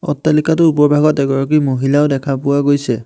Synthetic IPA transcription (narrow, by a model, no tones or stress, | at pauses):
ɔ̰tːalikat̬ʊup̬ɔɹbʱaɡɔtɛɡɔɹɔkimoɦilaʊdɛkʰapʊwaɡojsɛ